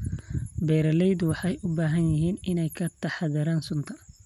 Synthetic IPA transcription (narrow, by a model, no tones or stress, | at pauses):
bɛːɾɐlɛjd̪ʊwɑħɑjʔʊbaːɦɐnjɪɦiːnɪnɛjkʰɐt̪ʰɐħɑðɐɾaːnsʊnt̪ʰɐ